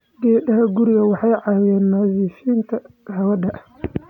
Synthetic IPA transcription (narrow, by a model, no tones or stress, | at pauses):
ɡɛːɗɐhɐɡʊɾɪɣɐwɑħɑjʕɑːwɪðɛːnmaːziːʃiːnt̪ʰɐ | hɐwɐdɐʔ